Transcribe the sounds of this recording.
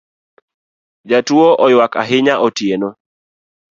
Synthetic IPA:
d͡ʒatwoʔɔjwaka̰ɦɪɲaʔɔtjeno

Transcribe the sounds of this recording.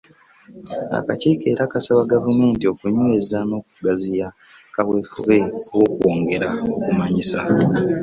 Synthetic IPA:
a̰ka̰ciːke̞ːɾakasawaɡavume̞ːntio̞kuɲuezano̞ːk̚uɡazija | kaβwe̞ːfuβe̞wo̞ːkwoːŋɡe̞ɾaokumaɲisa

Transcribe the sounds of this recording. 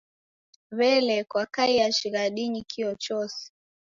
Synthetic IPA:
βɛlɛkwakaijaʃiɣaɗiɲikʰiɔt͡ʃɔsi̥

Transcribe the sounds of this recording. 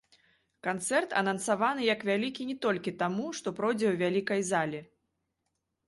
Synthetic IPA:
kant̪sɛrt̪ɐ̰nɐnsavanɨjɐkvʲalʲikʲinʲɛt̪ɔlʲkʲit̪amuʂt̪ɔpɾɔd͡zʲɛwvʲalʲikɐjzalʲɛ

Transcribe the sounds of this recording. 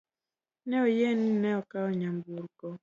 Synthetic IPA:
nɛɔjɛninɛɔkaɔɲambuɾkɔ

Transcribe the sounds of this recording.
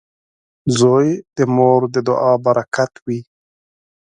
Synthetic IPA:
zojd̪əmoɾd̪əd̪ʊʔɑbaɾakʰat̪wi

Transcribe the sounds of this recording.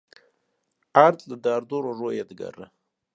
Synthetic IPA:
aɾt̪ləd̪ɑːɾd̪oɾoʐojed̪ɡa̰ɾə

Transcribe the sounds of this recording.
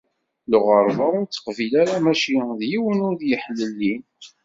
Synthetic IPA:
lʊʁəɾˤvaʊɾt͡s̪ːə̥qvilaɾæmæʃiðjiwənʊɾðjəħlːəlːin

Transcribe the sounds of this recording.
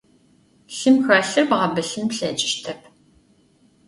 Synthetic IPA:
ɬɨmxaːɬɨrbɐʁɐbɨɬɨmɬɛːd͡ʒʼɪ̥ʃtʰɐp̚ʰ

